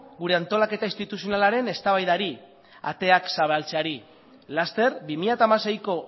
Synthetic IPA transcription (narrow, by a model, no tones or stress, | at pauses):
ɡuɾe̞ant̪o̞lake̞t̪ainst̪it̪usijo̞nalaɾe̞ne̞st̪aβajðaɾi | a̰t̪e̞aksaβ̞alt͡seaɾi | last̪e̞ɾbimiʎat̪aːmase̞jko̞